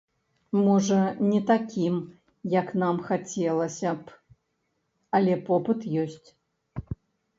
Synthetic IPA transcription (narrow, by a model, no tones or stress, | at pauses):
mɔʐɐnʲɛt̪akʲim | jɐkn̪amxat͡sʲɛlˠɐsʲɐp | ɐlʲɛpɔpɨt̪jɔsʲt͡sʲ